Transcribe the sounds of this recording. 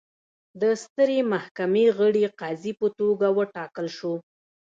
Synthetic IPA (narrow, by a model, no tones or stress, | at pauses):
d̪əst̪əɾemahkameɣəɽeqɑzipət̪oɡawəʈɑkəlʃo